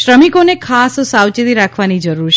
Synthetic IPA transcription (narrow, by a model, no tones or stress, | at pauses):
ʃɾəmikonekʰassawt͡ʃit̪iɾakʰʋanid͡ʒəɾuɾʰ